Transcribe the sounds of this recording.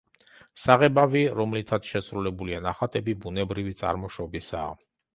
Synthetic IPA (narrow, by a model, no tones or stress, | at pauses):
saʁɛbaviɾɔmlit̪ʰat̪sʃɛsɾulɛbulianaχat̪ʼɛbibunɛbɾivit̪sʼa̰ɾmɔʃɔbisa̰ː